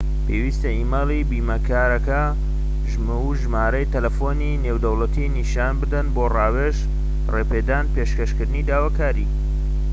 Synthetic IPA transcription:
pʰeːwiːst̪ɐʔiːmɐlˠibiːmɐkaːɾɐkɐ | ʒm | ʒmaːɾɐjt̪ɐlɐfoninewd̪ɐwlɐt̪ʰiniʃaːnbɨd̪ɐnboːrɑːweʃ | reːpeːd̪aːnpeːʃkɐʃkɨɾd̪ɨnid̪aːwakaːɾḭː

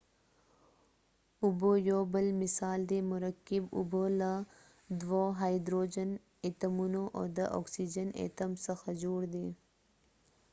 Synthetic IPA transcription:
ʊbojoːbəlmɪsaːld̪emʊɾəkːibṵboːla | d̪woːɦaːjd̪ɾoːd͡ʒən | et̪ɐmunoʔo̰ːd̪ɐʔɔ̰ːksid͡ʒənḛt̪ɐmsɐxɐzuːɾd̪eː

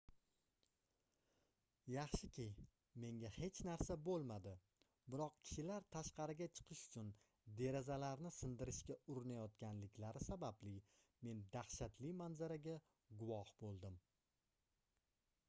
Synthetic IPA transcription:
jɑχʃɪkʲɪj | me̞ŋɡʲahe̞t͡ʃʰnaɾsabolˠmad̪ɪ | bɪɾɒq̚kʲʰɪ̥ʃɪlaɾt̪ʰaʃqɑɾɪɡʲat͡ʃʰɨ̥qʰɨʃʊ̥t͡ʃʰʊn | d̪e̞ɾazalaɾnɪsɪnd̪ɪɾɪʃkʲaʊɾɪnajɒt̪kʲʰanlɪkʲʰlaɾɪsabablɪ | me̞nd̪aχʃat̪lɪmanzaɾaɡʲa | ɡʊvɒhbolˠd̪ɪm

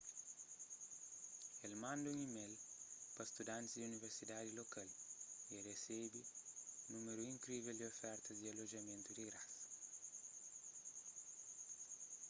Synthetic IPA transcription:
elmãnd̪uŋimelpɐst̪ud̪ãnt̪sd̪iuniveɾsid̪ad̪ilokaleresebinumeɾuiŋkɾiveld̪iofɛɾt̪ɐzd̪ialoʒɐmẽnt̪ud̪iɡɾas

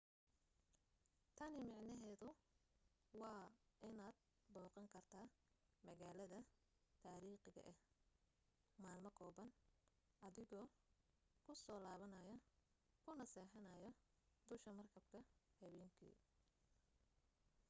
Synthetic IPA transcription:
t̪ʰɐnɪmɑʕnɐɦɛːðʊ | wɑːʔɪnaːd̪̚ | bɔːqɑŋkʰɐrt̪ʰaː | mɐɣaːlɐðɐ | t̪ʰaːɾiːχɪɣɐ̰ʔɛh | maːlmɐkʰɔːβɐn | ʔɐðɪɣɔː | kʰʊsɔːlaːβɐnɐjɐ | kʰʊnɐsɛːħɐnɐjɔ | d̪ʊʃkɐmɐrkʰɐb̚kʰɐhɐβɛːŋkʰḭː

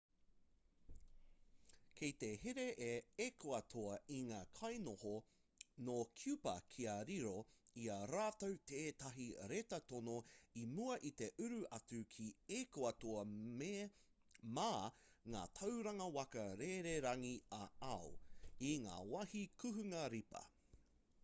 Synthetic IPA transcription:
kʰejt̪eheɾe̞ʔeekoɐt̪ʰoɐiŋaːkʰɐjnoho | nokʰjʉpɐ̰kʰiɐɾiɾoiɐɾaːtowt̪ʰeːt̪ɐɦiɾet̪ɐt̪onoimuɐʔit̪e̞ʔʉɾʉʔɐt͡sʉkʰiekoɐtoɐ | maːŋa̰ːt̪ʰɐwɾɐŋɐwɐkɐɾeɾeɾɐŋiɐɐoiŋa̰ːwɐhikʰʉɦʉŋɐɾipɐ̰

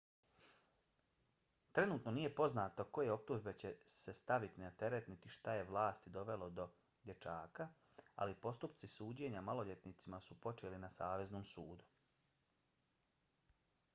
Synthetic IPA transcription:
t̪ɾe̞nuːt̪no̞nije̞po̞znaːt̪oko̞jeo̞p̚t̪uʒbe̞t͡ɕe̞se̞st̪aʋit̪inat̪e̞ɾet̪nit̪iʃt̪aje̞ʋlˠaːst̪id̪o̞ʋe̞lo̞d̪o̞ | d̪je̞t͡ʃaːka | a̰lipo̞st̪upt̪sisuːd͡ʑe̞ɲamalˠo̞ʎe̞t̪nit̪simasupo̞t͡ʃelinasaːʋe̞znoːmsuːd̪u

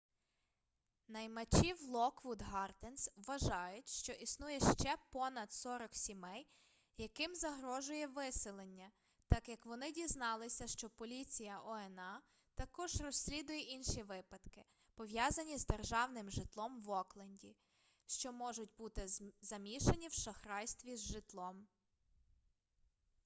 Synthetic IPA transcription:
nɐjmɐt͡ʃiwlˠɔkʋʊd̪ɦɑrt̪ensʋɐʒɑjʊtʲʃt͡ʃɔʔisnujɛʃt͡ʃɛpɔnɐd̪sɔɾɔksʲimɛj | jɐkɪmzɐɦɾɔʒʊjɛʋɪsɪlˠenʲːɐ | t̪ɑkjɐkʋɔnɪdʲiznɑlˠɪsʲɐʃt͡ʃɔpɔlʲit͡sʲijɐʔɔɛnɑ | t̪ɐkɔʒrɔsʲːlʲid̪ʊjɛʔinʃiʋɪpɐd̪kɪ | pɔʋjɑzɐnʲizd̪erʒɑwnɪmʒɪt̪lˠɔmʋɔklˠɐnʲdʲi | ʃt͡ʃɔmɔʒʊtʲbut̪ɪzɐmʲiʃenʲiwʃɐxɾɑjst̪ʋʲizʒɪt̪lˠɔm

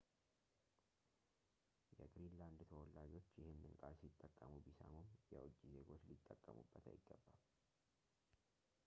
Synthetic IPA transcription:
jɛɡɾinland̪t̪ʰəwɔlːad͡ʒo̞t͡ʃːjɪhɨnːɨnkʼalsit̪ʼːəkʼːəmubisamomjɛwɔt͡ʃʼːize̞ɡo̞t͡ʃːlit̪ʼːəkʼːəmubːət̪ʰa̰jɪɡːəbːal

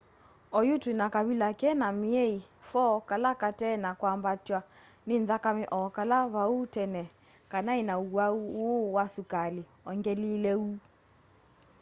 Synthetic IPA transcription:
ɔjutwinakaβilakɛnamiɛi | fɔkalakatɛnakwambatwa | nɪnðakamɛʔɔkalaβautɛnɛ | kanainauwaowasukali | ɔŋɡɛlilɛu

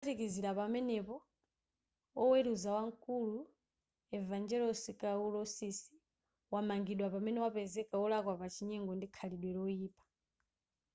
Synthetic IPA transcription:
atikiziɾapamɛnɛpɔ | ɔweɾuzawaŋkʼulu | ɛvand͡ʒɛɾɔsikaulɔsisi̥ | wamaŋɡiɗwapamɛnɛwapɛzɛkaɔlakwapat͡ʃʰiɲɛŋɡɔndikʰaliɗwɛɾɔiːpʼḁ

